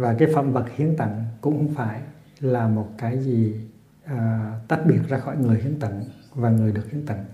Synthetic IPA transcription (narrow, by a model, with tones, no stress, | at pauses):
vaː˨˩kaː˨˦jfə̰˧˨mvə˨˩t̚hi˨˦ənt̪ə̰˧˩ŋkʊ̰˧˥ŋ͡mxwŋ͡mfaː˧˩j | laː˨˩mo˨˩t̚kaː˨˦jziː˨˩˨ | t̪aː˦˥t̚ɓi˨˩ət̚zaː˧xɔ̰˧˩˨jŋɨ˨˩əjhḭ˨˧˦ənt̪ə̰˧˩˨ŋvaː˨˩ŋɨ˨˩əjɗək̚hi˧˦ənt̪ə̰˧˨ŋ